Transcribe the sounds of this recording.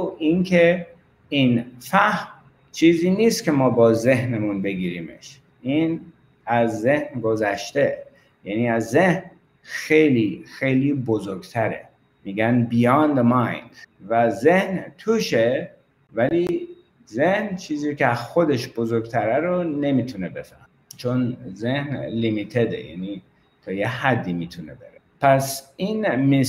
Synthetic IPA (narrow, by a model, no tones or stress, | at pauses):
inkʰe | infæhm | t͡ʃʰiːziːniːst̪kʲʰe̞mɒːbɒːze̞ɦnemunbe̞ɡiːɾiːmḛʃ | in | æzːehnɡo̞zæʃt̪e̞ | jæniːæzːe̞hn | xe̞jliːxejliːbozoɾɡt̪ʰæɾḛ | miːɡænbijɑnd̪mɑjnvæzehnt̪ʰuʃe | væli | zehnt͡ʃʰiːziːkʲexod̪eʃb̥ozoɾɡt̪ʰæɾæɾone̞miːt̪ʰunebe̞fæ̰met͡ʃʰonzehnlimit̪ʰed̪ḛjæ̰ni | t̪ʰɒːjehæd̪ːimiːt̪ʰunebeɾepʰæsinmi